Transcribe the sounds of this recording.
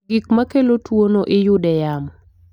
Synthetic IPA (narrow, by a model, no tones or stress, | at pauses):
ɡik̚makelotwonoʔɪjʊdɛjamɔ